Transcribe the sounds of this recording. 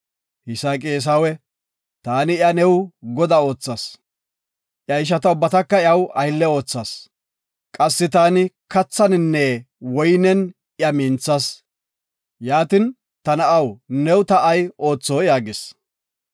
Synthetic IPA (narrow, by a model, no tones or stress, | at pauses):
hɪsaːkʼeːs̬awɛ | t̪aːnɪjɐnɛwɡɔd̪ɐo̞ːt͡sːɐs | ʔjɐɪʃ̬ɐt̪ɐʊbːɐt̪ɐkːɐjɐwɐjlːɛo̞ːt͡sːɐs | kʼɐsːɪt̪aːnɪkɐt͡sːɐnɪnːɛ | wɔjnɛn | ɪɐmiːnt͡sːɐs | jaːt̪ɪn | t̪ɐnɐʔɐwnɛwt̪ɐɐjo̞ːt͡sːoːjaːɡɪs